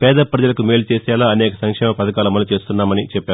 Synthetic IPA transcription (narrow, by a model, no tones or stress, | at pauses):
pɛːd̪ɐpɾɐd͡ʒɐlɐkumeːlt͡ʃeːsaːlaːɐnɛːkɐsɐŋkʂɛːmɐmpɐd̪ɐkaːlɐmɐnːlːɐt͡ʃe̞ːst̪unːaːmɐnit͡ʃɛpːaːɾu